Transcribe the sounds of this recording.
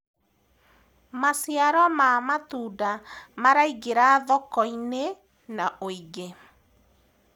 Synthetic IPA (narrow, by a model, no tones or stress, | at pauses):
masjaɾɔmamatudamaɾaiɡeɾaðɔkɔine | naʔoiɡe